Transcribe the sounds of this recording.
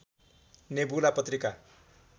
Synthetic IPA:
nebulapʌt̪rika

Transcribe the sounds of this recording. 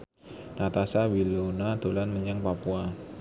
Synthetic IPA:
nat̪asawilonad̪̥o̤lanməɲaŋpapua

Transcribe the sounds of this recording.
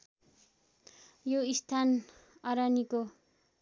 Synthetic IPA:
joist̪ʰanʌɾaniko

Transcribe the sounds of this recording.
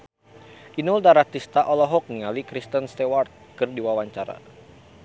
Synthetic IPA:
ʔinuldaɾaht̪ist̪aʔɔlɔɦɔk̚niŋalikɾist̪ənst̪ewart̪̚kɨrdiwawaɲt͡ʃaɾa̰

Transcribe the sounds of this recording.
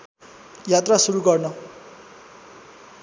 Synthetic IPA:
jat̪rasuɾuɡʌrnʌ

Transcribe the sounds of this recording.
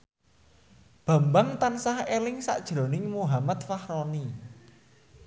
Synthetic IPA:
b̥a̤mbaŋt̪ansahelɪŋsa̰ʔd̥ʒ̥ɾo̤nɪŋmuɦamat̪̚fahɾɔni

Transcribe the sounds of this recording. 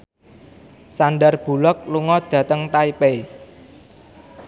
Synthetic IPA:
saɳɖarb̥ṳlɔk̚luŋɔd̪̥ä̤t̪əŋʈ̪aipe

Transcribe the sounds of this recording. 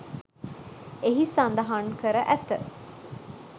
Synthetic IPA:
eɦisand̪ɐɦaŋkəɾəʔæt̪ə̰

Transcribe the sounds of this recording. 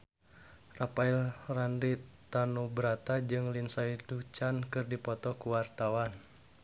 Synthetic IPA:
rapailrandit̪anubəɾat̪ad͡ʒɨŋlinsaidut͡ʃankɨrdipɔt̪ɔkuwart̪awan

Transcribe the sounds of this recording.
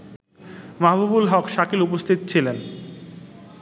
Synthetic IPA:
maɦabubulɦɔkʃakʰilupost̪ʰit̪̚t͡ɕʰilen

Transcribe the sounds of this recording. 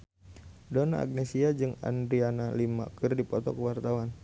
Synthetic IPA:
donaa̰ɡnesiad͡ʒɨŋa̰ndɾianalima̰kɨrdipɔt̪ɔkəwart̪awan

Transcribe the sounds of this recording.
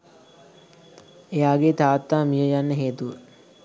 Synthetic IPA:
ejaːɡet̪aːt̪ːaːmijəjanːəɦeːt̪uʋə

